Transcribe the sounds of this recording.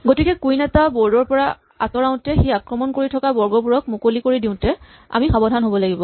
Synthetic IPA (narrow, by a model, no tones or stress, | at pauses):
ɡotikɛkujnatabɔɹdɔɹpɔɹa | a̰sɔɹaʊ̃tɛxiakɹɔmɔnkoɹitʰɔkabɔɹɡɔpuɹɔk̚mukolikoɹidiʊ̃tɛ | a̰mixabɔdʱanɦobɔlaɡibɔ